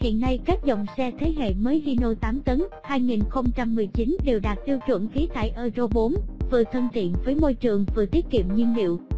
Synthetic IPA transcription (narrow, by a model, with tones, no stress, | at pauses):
hḭ˧˨ənːa˧jkaː˦˥k̚zə˧˨wŋ͡msɛ˧t̪ʰe˨˦ɦḛ˧˨məː˨˦jɦi˧no˧t̪aː˨˦mt̪ə˨˦n | haː˧jŋi˨˩nxə˧wŋ͡mt͡ɕa˧mːɨ˨˩əjt͡ɕi˨˦nɗe˨˩wɗaː˨˩t̚t̪i˧əwt͡ɕwə̰˧˩nxi˨˦t̪ʰa̰ː˧˨jʔəː˧zo˧ɓo˨˦nvɨ˨˩ət̪ʰə˧nt̪ḭ˧˨ənvəː˨˦jmo˧jt͡ɕɨ˨˩əŋvɨ˨˩t̪i˦˥ət̚kḭ˧˨əmɲi˧nlḭ˧˨əw